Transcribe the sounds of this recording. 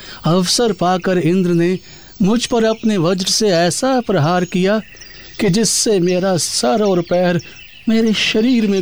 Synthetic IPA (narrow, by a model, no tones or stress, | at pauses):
ɐʋsəɾpaːkəɾɪ̃nd̪ɾəne | mʊd͡ʒʱpɐɾɐpneʋɐd͡ʒɾseɛːsapɾɐɦaːɾkija | kid͡ʒɪsːemeːɾasɐɾɔːɾpɛːɾ | meːɾeʃɐɾiːɾmẽ